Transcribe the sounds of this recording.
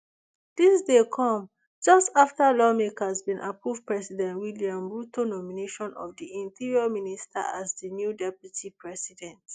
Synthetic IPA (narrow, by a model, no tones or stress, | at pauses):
d̥isdekʰɔ̃m | d͡ʒɔstaftəlɔmekasbĩnʔapɹuvpɹɛsidɛ̃ntwiliãmɹutonɔmineʃɔ̃nɔ̰vdiĩntiɹiɔministʰa̰azdənjudɛpjutʰipʰɹɛsidɛ̃nt